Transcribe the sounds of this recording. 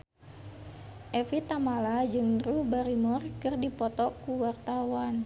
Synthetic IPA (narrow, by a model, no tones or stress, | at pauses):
ʔɛfit̪amalad͡ʒɨŋrubaɾimɔrkɨrdipɔt̪ɔkuwart̪awan